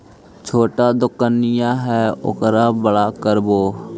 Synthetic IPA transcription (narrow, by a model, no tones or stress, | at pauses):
t͡ʃʰoːʈad̪ʊkːənːɪjãɦɛːʊ̰kɾabəɽaːkəɾboː